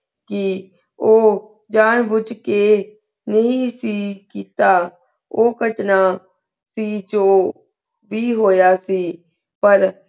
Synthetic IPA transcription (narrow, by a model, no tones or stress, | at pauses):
kɪ | oː | d͡ʒaːnbʊd͡ʒkeː | nəɦĩːsiːkiːt̪aː | oːkəʈnaː | siːt͡ʃoː | ʋiːɦoːjaːsiː | pəɾ